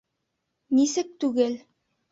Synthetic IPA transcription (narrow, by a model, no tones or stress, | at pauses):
nisɘk̚t̪ʉɡɘl